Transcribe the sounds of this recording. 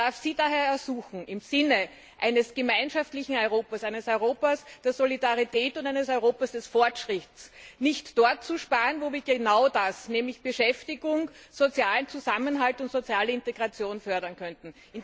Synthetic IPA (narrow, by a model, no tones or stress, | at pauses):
daɐfsiːdaɦeːɐɛɐzuːxŋ̩ʔɪmz̥ɪnə | ʔæɪnəsɡ̥əmæɪnʃaftlɪçŋ̩ɔʏʁoːpɐsæɪnəsɔʏʁoːpɐsd̥eːɐzolidaʁitʰɛːtʊntæɪnəsɔʏʁoːpɐsd̥ɛsfɔɐtʃʁ̥ɪtsnɪçtd̥ɔɐt̚t͡suʃpaːʁənvoːviːɐɡenaʊdasnɛːmlɪçb̥əʃɛftɪɡʊŋz̥ot͡sjaːlənt͡suzamənɦaltʊntz̥ot͡sjaːləɪnteɡʁat͡sjoːnfœɐdɐnkʰœntn̩ʔɪn